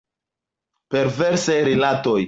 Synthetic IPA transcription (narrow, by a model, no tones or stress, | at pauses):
pe̞ɾveɾsajɾilato̞j